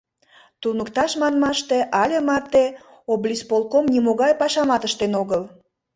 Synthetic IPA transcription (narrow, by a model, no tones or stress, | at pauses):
t̪unəkt̪ɑʃmɑnmɑʃt̪eʔɑlʲemɑt̪e | oblʲispolkomnimoɣɑjpɑʃɑmɑt̪əʃt̪enoɣəl